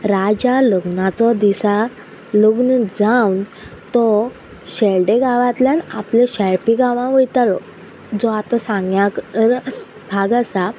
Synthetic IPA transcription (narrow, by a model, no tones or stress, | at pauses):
ɾad͡ʑaləɡnat͡sɔd̪isa | ləɡnd͡zawn | t̪ɔ | ɕeɭɖeɡaʋãt̪ljana̰pleɕɛɭpiɡaʋãʋəjt̪alɔ̰ | d͡zɔat̪ãsãŋɡjak̪əɾ | bʱaɡasa